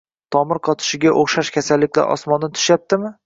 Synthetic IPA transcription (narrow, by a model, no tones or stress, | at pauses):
t̪ʰɒmɪɾqʰɒt̪ʰɪ̥ʃɪɡʲaʔoχʃaʃkʲasalːɪkʲla̰ɾʔɒ̰smɒnːɪt̪ʰʊ̥ʃjap̚t̪ɪmɪ